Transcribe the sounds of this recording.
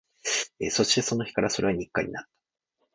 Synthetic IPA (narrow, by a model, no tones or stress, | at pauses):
ḛso̞ɕi̥t̪e̞so̞no̞çi̥kaɾaso̞ɾe̞βaɲ̟ikːa̰ɲ̟ḭnat̪ːḁ